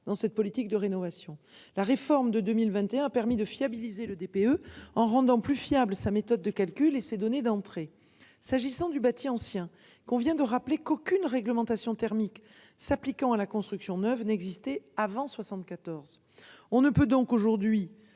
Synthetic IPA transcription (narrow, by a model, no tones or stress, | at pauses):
d̪ɑ̃sɛt̪̚pɔlit̪ik̚d̪əʁenɔvasjɔ̃ | laʁefɔʁmd̪əd̪ømilvɛ̃t̪eɛ̃apɛʁmid̪əfjabilizeləd̪epeøɑ̃ʁɑ̃d̪ɑ̃plyfjabləsamet̪ɔd̪̚ːəkalkʲylesed̪ɔned̪ɑ̃t̪χe | saʒisɑ̃d̪ybat̪iɑ̃sjɛ̃ | kɔ̃vjɛ̃d̪əʁaplekokʲynʁɛɡləmɑ̃t̪asjɔ̃t̪ɛʁmik | saplikɑ̃alakɔ̃st̪χyksjɔ̃nœvnɛɡzist̪ɛavɑ̃swasɑ̃t̪̚kat̪ɔʁz | ɔ̃nəpød̪ɔ̃koʒuʁd̪ɥi